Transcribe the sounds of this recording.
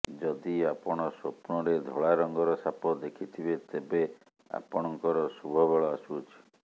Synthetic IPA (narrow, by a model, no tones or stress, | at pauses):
d͡ʒɔd̪iapɔɽ̃ɔsopɳɔɾed̪ʱoɭaɾɔŋɡɔɾɔsapɔd̪ekʰit̪ʰibet̪ebe | a̰pɔɽ̃ɔŋkɔɾɔsubʱɔbeɭɔasut͡ʃʰi̥